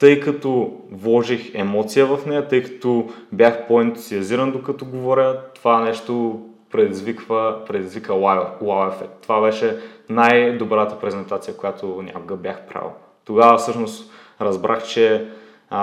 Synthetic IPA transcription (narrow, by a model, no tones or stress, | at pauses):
t̪ɤjkɐt̪ovlˠɔʒixɛmɔt̪sijəvɐfnɛjət̪ɤjkɐ̥t̪ɔbʲjaxpoɛnt̪u̥ziɐziɾɐnd̪okɐt̪ɔɡovɔɾʲət̪ovanɛʃt̪o | pɾɛd̪izvikvəpɾɛd̪izvikəalˠawɛfɛt̪ːovabɛʃɛnajd̪obɾat̪əpɾɛzɛnt̪at̪sijəkojat̪onʲʔa̰koɡɐbjaxpɾa̰vˠə̰ | t̪oɡavɐfsɤʃnost̪ | ɾɐzbɾʔaxt͡ʃɛ